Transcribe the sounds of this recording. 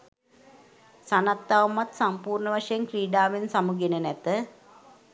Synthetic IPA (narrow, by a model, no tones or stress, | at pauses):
sanat̪ːaːʋumat̪sampuːrɳəʋaʂəjenkriːɖaːʋensamuɡenənæt̪ə